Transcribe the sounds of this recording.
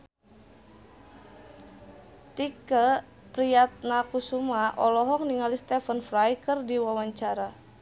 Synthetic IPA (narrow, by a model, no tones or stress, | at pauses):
t̪ikə | pɾiat̪̚nakusumaʔɔlɔɦɔŋniŋalist̪ɛfənfrajkərdiwawaɲt͡ʃaɾa